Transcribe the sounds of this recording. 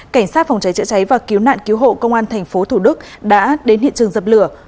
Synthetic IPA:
ka˧˩ŋ̟saː˦˥t̚fɔ˨˩wŋ͡mt͡ɕa˨˦jt͡ɕɨ̰˧˥t͡ɕa˨˦jvaː˨˩ki˨˦wna̰ː˧˨nki˨˦wɦo̰˧˨kə˧wŋ͡mʔaː˧nt̪ʰɛ˨˩jŋ̟fo˨˦t̪ʰu˧˩ɗɨ˦˥k̚ | ɗa̰ː˧˥ɗe˨˦nhḭ˧˨t͡ɕɨ˨˩əŋzəː˨˩p̚lɨ˧˩ə

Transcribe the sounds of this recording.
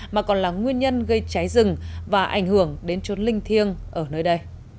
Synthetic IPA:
maː˨˩kɔ˨˩nlaː˨˩ŋwi˧ənɲə˧nɣə˧jt͡ɕa˨˦jzɨ˨˩ŋvaː˨˩ʔa̰˧˩jŋ̟hɨ˧˩əŋɗe˨˦nt͡ɕo˨˦nlï˧ŋ̟t̪ʰi˧əŋʔəː˧˩nəː˧jɗə˧j

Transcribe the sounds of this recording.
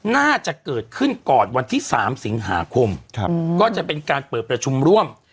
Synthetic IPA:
naː˥˩t͡ɕa˨˩ʔkɤː˨˩t̪̚kʰɯ˥˩nkɔː˨˩nwa˧nt̪ʰiː˥˩sa̰ː˩˦msi˩˦ŋɦa̰ː˩˦kʰo˧mkɔː˥˩t͡ɕa˨˩pe˧nkaː˧npɤː˨˩t̪̚p̚ɾa˧t͡ɕʰu˧mɾu˥˩əm

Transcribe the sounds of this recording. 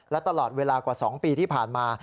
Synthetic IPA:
lɛ˦˥wt̪a˧lɔː˨˩t̪̚weː˧laː˧kwaː˨˩sɔː˩˦ŋpiː˧t̪ʰiː˥˩pʰaː˨˩nmaː˧

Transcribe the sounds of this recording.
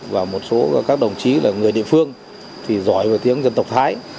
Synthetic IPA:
vaː˨˩mo˨˩t̚so˨˦˧kaː˦˥k̚ɗə˨˩wŋ͡mt͡ɕi˨˦laː˨˩ŋɨ˨˩əjɗḭ˧˨əfɨ˧əŋ | t̪ʰi˨˩zɔ˧˩jvaː˨˩t̪i˨˦əŋzə˧nt̪ə˨˩wk͡p̚t̪ʰaː˨˦j

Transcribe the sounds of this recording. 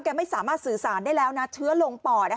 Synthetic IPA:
kɛː˧˩ma˥˩saː˨˦maː˥˩t̪̚sɯː˨˩saː˨˩˦ndaː˥˩jlɛː˦˥wna˦˥t̪ʰɯ˦˥ɐlo˧ŋpɔː˨˩na˦˥

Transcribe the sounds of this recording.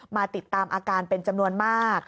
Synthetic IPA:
maː˧t̪i˨˩t̪ːaː˧mʔaː˧kaː˧npe˧nt͡ɕa˧mnu˧ənmaː˥˩k̚

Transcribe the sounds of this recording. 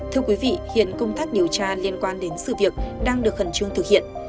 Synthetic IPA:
t̪ʰɨ˧əkwi˨˦vḭ˧˨hḭ˧˨ənkə˧wŋ͡mt̪aː˦˥k̚ɗi˨˩əwt͡ɕaː˧li˧ənkwaː˧nɗe˨˦nsɨ̰˧˨vi˨˩ək̚ɗaː˧ŋɗɨ˨˩ək̚fə˧˩nt͡ɕɨ˧əŋt̪ʰɨ˨˩k̚hḭ˧˨ən

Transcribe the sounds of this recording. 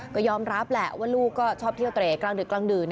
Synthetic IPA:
kɔː˥˩jɔː˧mɾa˦˥p̚lɛ˨˩ʔwaː˥˩luː˥˩kkːɔː˥˩t͡ɕʰɔː˥˩p̪̚ʰi˥˩əwt̪ɾeː˨˩klaː˧ŋdɯː˨˩klaː˧ŋdɯː˨˩n

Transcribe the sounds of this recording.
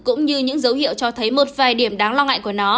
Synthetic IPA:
kʊ̰˧˥ŋ͡mɲɨ˧ɲɨ̰˧˥ŋzə˨˦whḭ˧˨əwt͡ɕɔ˧t̪ʰə˨˦jmo˨˩t̚vaː˨˩jɗi˧˩əmɗaː˨˦ŋlwaː˧ŋa̰ː˧˨jku˧˩ənɔ˨˦

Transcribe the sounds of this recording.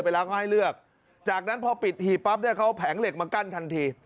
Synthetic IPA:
pa˧jlɛː˦˥wkʰhɦa˥˩jlɯ˥˩ək̚ | t͡ɕaː˨˩k̚na˦˥npʰɔ˧pi˨˩t̪̚hiː˨˩pa˦˥p̚nɯ˥˩˨kʰa˦˥wpʰɛː˩˦ŋle˨˩k̚maː˧ka˥˩nt̪ʰa˧nt̪ʰiː˧

